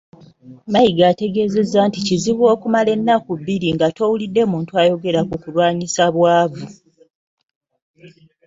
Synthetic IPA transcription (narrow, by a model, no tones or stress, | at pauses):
majiɡaːte̞ɡe̞ːze̞zanticiziβwo̞ːkumale̞nːakuβːiɾiŋɡato̞ːwulidːe̞muːntuaːjo̞ɡe̞ɾakukulwaːɲisaβwaːvu